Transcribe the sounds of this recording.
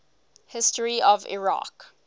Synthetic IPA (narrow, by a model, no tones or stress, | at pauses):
hɪstəɹiɔvɪ̰ɹa̰k